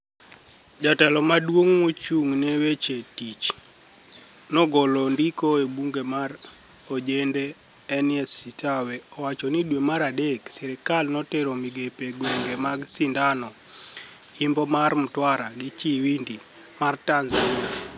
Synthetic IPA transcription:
d͡ʒatɛlɔmadwoŋmot͡ʃuŋnewet͡ʃetit͡ʃ | nɔɡɔlɔndikoebuŋɡemar | od͡ʒendeː | niɛsːitaweɔwat͡ʃɔnidwemaɾadeksɛɾɛkalnɔteɾomiɡepeɡweŋɡemaɡsindanɔ | imbɔmarm̩twaɾaɡit͡ʃiwindi | martanzalia

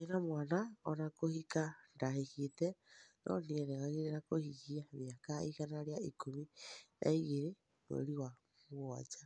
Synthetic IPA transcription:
enamwaːnaɔnakohikandaheketɛnʔɔ̰neɛɾɛɣaɣeɾenakohiɣiamjakaiɣanaɾeaikominʔa̰iɣeɾe | no̰ɾiwa | mua̰d͡ʒa

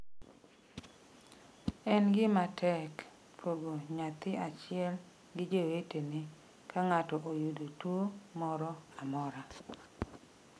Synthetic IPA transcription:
ɛnɡɪmatʰɛk | pʰoɡoɲat̪ɪat͡ʃɪɛl | ɡɪd͡ʒewetenɪ | kʰaŋatɔʔojudotwomɔɾɔamɔɾa

